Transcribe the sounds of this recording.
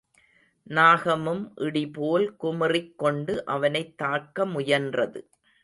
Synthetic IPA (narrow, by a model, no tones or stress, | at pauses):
naːɣɐmɯmʔɪɽipoːlkʊmɪrɪkːɔɳɖɯʔɐʋɐnɐɪt̪ːaːkːɐmʊjɐndrɐðɯ